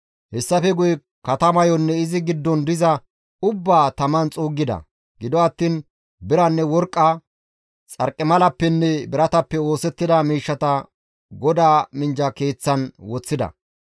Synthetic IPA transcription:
hɛsːɐfɛɡʊj | kɐt̪ɐmɐjɔnːɛɪzɪɡɪd̪ːɔnd̪ɪzɐ | ʊbːaːt̪ɐmɐnt͡sʼuːɡːɪd̪ɐ̰ | ɡɪd̪ɔɐt̪ːiːn | bɪɾɐnːɛwɔɾkʼːɐ | t͡sʼɐɾkʼːɪmɐlɐpːɛnːɛbɪɾɐt̪ɐpːɛo̞ːsɛt̪ːɪd̪ɐmiːʃːɐt̪ɐ | ɡɔd̪aːmɪnd͡ʒɐke̞ːt͡sːɐnwɔt͡sːɪd̪ɐ̰

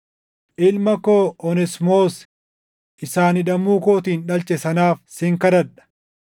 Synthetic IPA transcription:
ʔɪlmɐkoːɔnɛsmoːs | ʔɪsaːnɪᶑɐmuːkoːt̪iːnᶑɐlt͡ʃʼːɛsɐnaːfsɪŋkɐd̪ɐᶑɐ̥

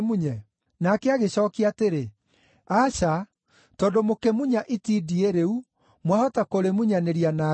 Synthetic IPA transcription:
muɲɛ | nakɛaɣeɕɔkiateɾe | aʃa | tɔːndomokɛmuɲaʔitidieɾeu | mwahɔtakoɾemuɲaneɾiana

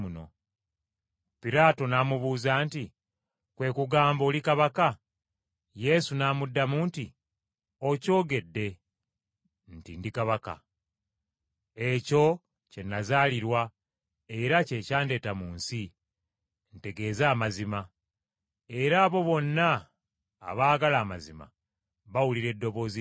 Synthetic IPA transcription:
uno̞̰ | piɾaːto̞namuβuːzanti | kwe̞ːkuɡaːmbo̞ːlikaβaka | je̞sunaːmudːamunti | o̞co̞ːɡe̞dːe̞ | ntḭndikaβaka̰ | e̞co̞ | ce̞nːazaːliɾwa | e̞ɾace̞ːcaːnde̞ːtamuːnsi | nte̞ɡe̞ːzaːmazima | e̞ɾaːβo̞βo̞nːa̰ː | βaːɡalaːmazima̰ | βawuliɾe̞dːo̞βo̞zi

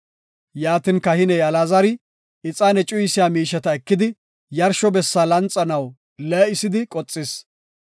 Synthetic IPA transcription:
jaːt̪ɪnkɐhɪnɛjɐlaːzɐɾɪ | ɪt͡sʼaːnɛt͡ʃʼʊjsɪjaːmiːʃɛt̪ɐɛkːɪd̪ɪ | jɐɾʃɔbɛsːaːlɐnt͡sʼːɐnɐw | lɛɪsɪd̪ɪkʼɔt͡sʼːɪs

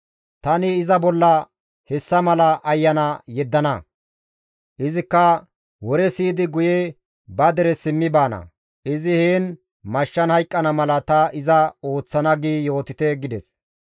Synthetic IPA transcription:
t̪ɐnɪːzɐbɔlːɐ | hɛsːɐmɐlɐʔɐjːɐnɐjɛd̪ːɐnɐ | ʔɪzɪkːɐ | wɔɾɛsiːd̪ɪɡʊjɛ | bɐd̪ɛɾɛsɪmːɪbaːnɐ̰ | ɪzɪheːn | mɐʃːɐnhɐjkʼːɐnɐmɐlɐt̪ɐɪzɐo̞ːt͡sːɐnɐɡiːjo̞ːt̪ɪt̪ɛɡɪd̪ɛs

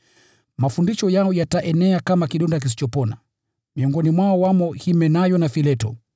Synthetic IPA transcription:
mafundiʃɔjaɔjataʔɛnɛakamakiɗɔndak̬is̬i̥t͡ʃɔpɔna | miɔŋɡɔnimwaɔwamɔhimɛnajɔnafilɛtɔ̰

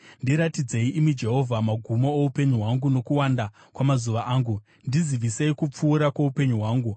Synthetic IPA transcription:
ndiɾatid͡ze̞iʔimid͡ʒe̞ɦo̞vʱamaɡʱumooupe̞ɲuɦwaŋɡuno̞kuwanda | kwamazuʋaʔaːŋɡu | ndiziʋiseikup͡fuːɾakwoupe̞ɲuɦwaːŋɡu

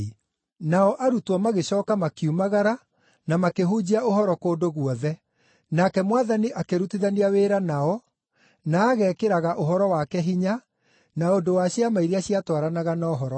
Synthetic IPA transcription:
naɔʔaɾutwɔmaɣeɕɔːkamakiumaɣaɾa | namakeɦud͡ʑiaoɦɔɾɔkoːdoɣwɔðɛ | nakɛmwaðaniʔakeɾutiðaniaweːɾanaɔ | naːɣɛkeɾaɣaʔoɦɔɾɔwakɛɦiɲa | naodowaɕiamaiɾeaɕiatwaɾanaɣanaoɦɔɾɔ

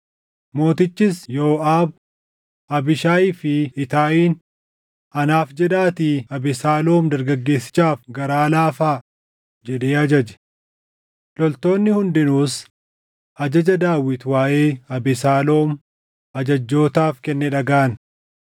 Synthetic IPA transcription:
mo̞ːt̪ɪt͡ʃːɪsjoːaːb | ɐbɪʃaːiːfɪɪt̪aːʔiːn | ɐnaːfd͡ʒɛd̪aːt̪iːɐbɪsaːlo̞ːmd̪ɐɾɡɐɡːe̞ːsːɪ̥t͡ʃaːfɡɐɾaːlaːfaː | d͡ʒɛᶑ̪eːɐd͡ʒɐd͡ʒɛ̥ | lɔlt̪o̞ːnːɪhʊnd̪ɪnuːs | ɐd͡ʒɐd͡ʒɐd̪aːwːɪt̪waːʔeːɐbɪsaːlo̞ːm | ɐd͡ʒɐd͡ʒːo̞ːt̪aːfkɛnːɛᶑɐɡaːɐn

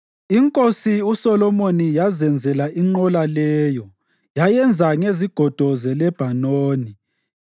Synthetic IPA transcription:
iŋkʼosiusɔlɔmonijazɛnd͡zʱɛlaʔiŋ͡ǃɔlalɛːjɔ | jajɛnd͡zʱaŋeziɡ̥ʱɔd̥ʱɔzɛlɛb̥ʱanoːni

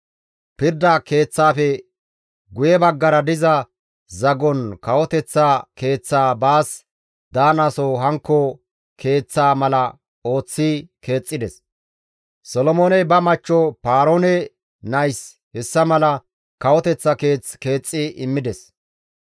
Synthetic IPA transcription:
pɪɾd̪ɐke̞ːt͡sːaːfɛ | ɡʊjɛbɐɡːɐɾɐd̪ɪzɐ | zɐɡɔnkɐwɔt̪ɛt͡sːake̞ːt͡sːaːbaːs | d̪aːnɐsoɦɐŋkːɔ | kʰe̞ːt͡sːaːmɐlɐ | o̞ːt͡sːike̞ːt͡sʼːɪd̪ɛs | sɔlɔmoːnɛbɐmɐt͡ʃːɔpaːɾoːnɛ | nɐjs | hɛsːɐmɐlɐ | kɐwɔt̪ɛt͡sːɐke̞ːt͡ske̞ːt͡sʼːɪʔɪmːɪd̪ɛs

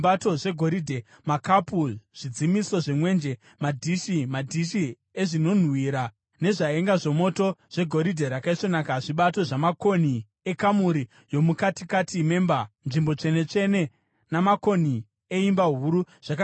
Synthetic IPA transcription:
bato̞ʐe̞ɡʱo̞ɾidʱe̞ | makapuʐ̥id͡zimiso̞ʐemwe̞nd͡ʒe̞ | madʱiʃimadʱiʃi | eʐino̞n̤wiːɾa | ne̞ʐaeŋɡaʐe̞mo̞to̞ʐ̥e̞ɡʱo̞ɾidʱe̞ɾakaiʂo̞nakaʐiɓato̞ʐamako̞ni | ekamuɾi | jo̞mukatikatʰime̞ːmbanʐimbo̞t͡ʂe̞ne̞t͡ʂe̞ne̞ | namako̞ni | eimbaɦuɾu | ʐ̥aka

